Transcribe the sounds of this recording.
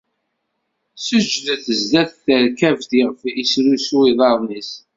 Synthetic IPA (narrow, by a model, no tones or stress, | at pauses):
səd͡ʒðəθəzd̪æθθəɾkævθiʁfisɾusuiðˤɑɾˤnis